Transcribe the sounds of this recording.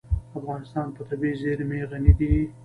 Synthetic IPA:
afɣɑnɪst̪ɑnpət̪abizeɾmeɣanid̪i

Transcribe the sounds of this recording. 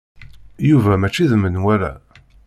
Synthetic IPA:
juvæmæt͡ʃːiðmənwæɾæ̰

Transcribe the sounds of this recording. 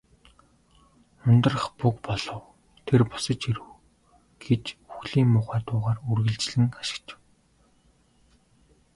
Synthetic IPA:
ʊnt̪ə̆rə̆χpukpɔɮ̥ɞ̆w | t̪ʰerpɔ̥sə̆t͡ɕiɾɘ̆w | ɡ̥et͡ɕuxɮiːŋːʊːχæːt̪ʊːʁaːrurɣɘ̆ɮt͡ɕɮɘ̆ŋaʃɪ̥̆kt͡ɕɪ̥̆w

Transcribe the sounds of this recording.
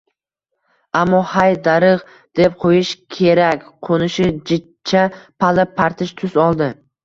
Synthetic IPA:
amːɒhajd̪aɾɨʁ | d̪̥e̞p̚qʰojɪʃkʲʰe̞ɾakʲqʰonɪʃɪd͡ʒɪt̪̚ | t͡ʃʰapʰalɪpʰːaɾt̪ʰɪʃt̪ʰʊzɒlˠd̪ɪ

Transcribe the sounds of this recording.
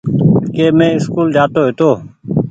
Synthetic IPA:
keːmẽːɪskuːld͡ʒaːt̪oːɦet̪oː

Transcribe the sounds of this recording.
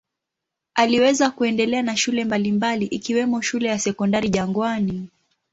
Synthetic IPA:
aliwɛzakuɛndɛlɛanaʃulɛmbalimbaliʔikiwɛmɔʃulɛjasɛkɔndaɾiʄaŋɡwani

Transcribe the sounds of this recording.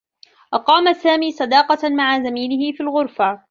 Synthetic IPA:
ʔɑqɑːmasaːmiːsˤɑd̪ɑːqɑmaʕazamiːlɪhɪfiːlɣʊɾfa

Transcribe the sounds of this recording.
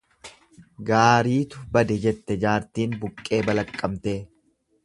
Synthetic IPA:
ɡaːɾiːt̪ʊbɐd̪ɛd͡ʒɛt̪ːɛd͡ʒaːɾt̪iːnbʊkʼːe̞ːbɐlɐkʼːɐmt̪e̞ː

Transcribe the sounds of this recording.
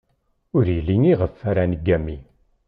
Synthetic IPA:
ʊɾjəlːiniʁəfːæɾænəɡːæmːi

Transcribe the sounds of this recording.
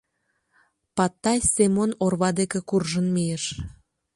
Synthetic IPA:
pɑt̪ːɑjsʲemonorβɑd̪ekĕkurʒənmijeʃ

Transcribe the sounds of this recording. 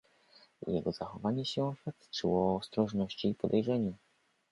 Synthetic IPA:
jɛɡɔz̥axɔvaɲɛɕɛɔ̃fak̚t̪t͡ʂɘwɔːst̪ɾɔʐnɔɕt͡ɕiːpɔd̪ɛjʐɛɲu

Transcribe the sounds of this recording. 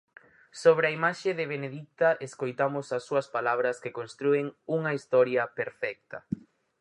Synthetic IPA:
soβ̞ɾɪɐimaʃɪðɪβ̞eneðik̚t̪ɐʔeskojt̪amʊsɐsːuɐspalaβɾɐskekonst̪ɾueŋuŋɐist̪ɔɾjɐpeɾfɛk̚t̪ɐ

